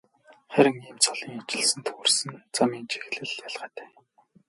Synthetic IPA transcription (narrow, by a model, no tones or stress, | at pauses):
χæɾʲɪ̆ŋiːmt͡sʰɔɮiːŋat͡ɕɪ̆ɮsɘ̆nt̪ʰɵxɵ̆rsɘ̆nt͡samiːnt͡ɕʰe̥xɮɘ̆ɮjaɮʁə̆ːt̪æ̥ː